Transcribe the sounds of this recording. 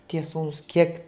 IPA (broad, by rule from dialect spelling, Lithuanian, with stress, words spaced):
tʲiɛ ˈsuːnuːs kʲiɛk